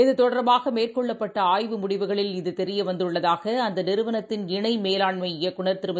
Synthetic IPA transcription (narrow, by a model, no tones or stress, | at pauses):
ɛðɯt̪ɔɽɐɾbaːɣɐmeːrkɔɭːɐpːɐʈːɐaːjʋɯmʊɽɪʋɯɣɐɭɪlɪðɯt̪ɛɾɪjɐʋɐnd̪ɯɭːɐðaːɣɐɐnd̪ɐnɪɾɯʋɐnɐt̪ːɪnɪɳɐɪmeːlaːɳmɐɪɪjɐkʊɳɐɾt̪ɪɾɯmɐ